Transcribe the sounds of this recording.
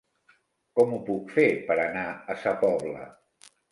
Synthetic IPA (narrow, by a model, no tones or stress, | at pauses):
kɔmupukfepəɾənaəsapɔβlə̰